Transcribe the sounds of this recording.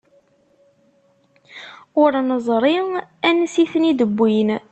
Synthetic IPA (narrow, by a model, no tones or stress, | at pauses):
ʊɾnəzˤɾˤiænsiθənid̪əbːin